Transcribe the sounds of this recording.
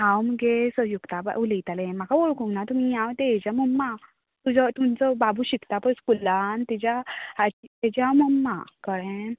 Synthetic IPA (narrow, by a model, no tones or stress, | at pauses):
ɦãwməɡesəjukt̪aba̰ulit̪alẽm̤akaʋoɭkũŋnat̪um̤ijãʋt̪eed͡ʑamumːa | t̪ud͡zɔt̪umt͡sɔbabʱuɕikt̪apəɳskulant̪id͡ʑjaat͡ɕit̪ɛd͡ʑjaməmːa̰kəɭẽ